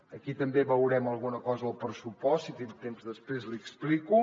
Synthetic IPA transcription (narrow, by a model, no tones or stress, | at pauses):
əkit̪əmbeβəwɾɛməlˠɣunəkɔzəəlˠpɾəsupɔsit̪int̪emzðəspɾezlikspliku